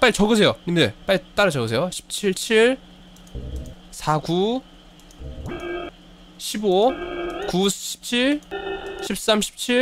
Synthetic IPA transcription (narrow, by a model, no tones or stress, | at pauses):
p͈aɾit͡ɕʌɡɯs̬ʰe̞jonindep͈aɾit͈aɾʌd͡ʑʌɡɯs̬ʰejoɕʰi̥p̚t͡ɕʰiɭt͡ɕʰiɭ | sʰaɡu | ɕʰibokuɕʰi̥p̚t͡ɕʰiɭ | ɕʰip̚s͈amɕʰi̥p̚t͡ɕʰi